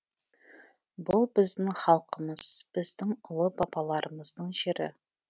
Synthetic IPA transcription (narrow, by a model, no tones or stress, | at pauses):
bʊlˠbɪzd̪ɪŋχɑlˠqəməz̥b̥ɪzd̪ɪŋʊlˠəbɑbɑlˠɑɾəməzd̪əɴʒeɾɪ̰